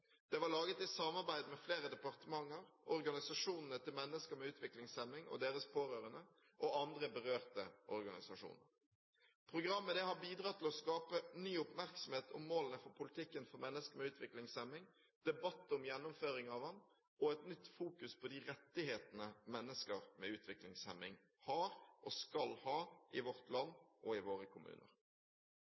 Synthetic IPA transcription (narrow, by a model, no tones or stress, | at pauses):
d̪̥ɛʋɑlɑːɡət̪ɪsɑmɑɾbæɪd̪mɛfleːɾəd̪ɛpɑʁt̪əmɑŋːəɾɔɾɡɑnɪsɑʂuːnnət̪ʰɪlmɛnːəskəɾmɛʉːt̪ʰʋɪklɪŋsɛmɪŋɔ̰d̪eːɾəspʰoːʁøːɾənə | ʔɔɑnd̪ɾəbəʁøːʁt̪ə̰ʔɔɾɡɑnɪ̰sɑʂṵːnə̰ɾ | pʰʁʊɡʁɑmːəd̪ɛhɑɾbiːd̪ʁɑːt̪ʰɪlɔskɑːpənyːʊpmæɾksɔm̩heːt̪ʰʊ̰mːoːlənəfɔɾpʰʊlɪt̪ʰɪkːənfɔɾmɛnːəskəmɛʉːt̪ʋɪklɪŋsɛmːɪŋ | d̪̥ɛbɑt̪ːʊmjɛnːʊmføːɾɪŋɑʋɑn | ɔɛt̪nʏt̪ːfuːkʉspʰɔd̪ɪʁɛt̪ːɪheːt̪ənəmɛnːəskəʁmɛʉːt̪ʰʋɪklɪŋsɛmɪŋ | hɑːɾʔɔskɑlhɑːʔɪʋɔʁt̪ʰlɑnːʔɔɪʋoːʁəkʰʊmʉ̰ːnə̰ʁ